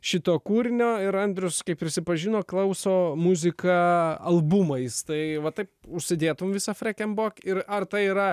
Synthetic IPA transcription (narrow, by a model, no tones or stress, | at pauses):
ʃʲɪt̪oːkuːɾʲɪnʲoːɪɾɐnʲd̪ʲɾʲʊskɐɪp̚pʲɾʲɪsʲɪpɐʒʲinoːklˠɐʊsoːmuzʲɪkɐɐlˠbumɐɪst̪ɐɪʋɐt̪ɐɪpʊʃʲsʲɪd̪ʲeːt̪ʊmʋʲɪsɐfʲɾʲɛkʲɛmboːkʲɪɾɐrt̪ɐɪiːɾɐ